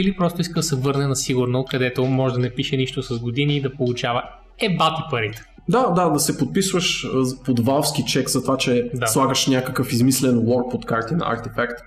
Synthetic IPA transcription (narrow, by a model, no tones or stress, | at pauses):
ilipɾɔst̪ʊiskəd̪ɐsɛvɤɾnɛnɐsiɡʊɾnokɐd̪ɛt̪omɔʒɛd̪ɐnɛpiʃɛniʃt̪osɐzɡod̪iniːd̪ɐpolˠut͡ʃavɐ | ɛbat̪ipɐɾit̪ɛ̥ | d̪ad̪ad̪ɐsɛpot̪̚pisvəʃpod̪valˠfskit͡ʃɛkzɐt̪vat͡ʃɛd̪alˠaɡəʃnʲakəkəfizmislɛnwɔɾk̚pot̪kaɾt̪inɐ̰a̰ɾt̪ifakt̪